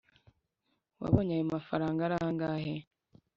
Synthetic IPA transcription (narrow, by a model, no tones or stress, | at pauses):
wa̰βoɲajomafaɾaːŋɡaɾahaŋɡaːɦe